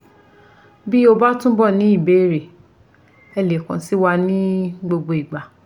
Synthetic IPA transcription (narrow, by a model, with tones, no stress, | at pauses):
bi˦o˧ba˦tũ˦bɔ˦˨nĩ˨˦i˦˨be˨˦˨ɾe˨ | ɛ˧le˨kã˨˦si˦wa˧nĩ˦ɡ͡bo˧ɡ͡bo˧i˨ɡ͡ba˨